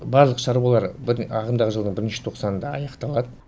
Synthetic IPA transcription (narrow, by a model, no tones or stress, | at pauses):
bɑɾlˠəqʃɑɾwɑlˠɑɾbɪɾɑʁəmd̪ɑʁəʒəlˠəɴbɪɾɪnʃɪ̥t̪ʰo̞qsɑnənd̪ɑɑjɑqt̪ɑlˠɑd̪ə